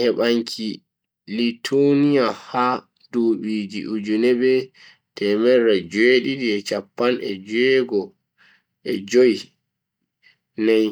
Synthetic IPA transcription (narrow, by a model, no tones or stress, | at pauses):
hɛɓaŋkʰi | litʰonijaha | d̥oːɓiːd͡ʒḭʔud͡ʒunɛbɛ | tɛmɛɾːad͡ʒeɗidiɛt͡ʃapːanɛ̰d͡ʒɛɡɔ | ʔɛd͡ʒoji | nɛj